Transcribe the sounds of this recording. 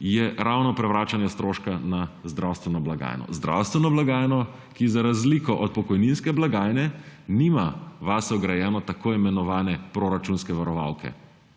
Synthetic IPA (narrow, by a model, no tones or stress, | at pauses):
jɛɾawnɔpɾɛʋɾaːt͡ʃanjɛst̪ɾoːʃkanazd̪ɾawst̪ʋɛnɔblaɡa̰jnɔ̰zd̪ɾa̰wst̪ʋɛnɔblaɡaːjnɔ | kizaɾazlikɔʔɔt̪̚pɔkɔjninskɛblaɡaːjnɛnimaʋasɔɡɾajɛːnɔt̪akoːimɛnɔʋaːnɛpɾoɾat͡ʃunskɛʋaɾɔʋa̰wkʰɛ̰